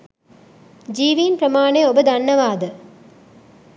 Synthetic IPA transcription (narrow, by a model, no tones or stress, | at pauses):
d͡ʒiːʋiːnpɾɐmaːɳeobəd̪ɐnːɐʋaːd̪ə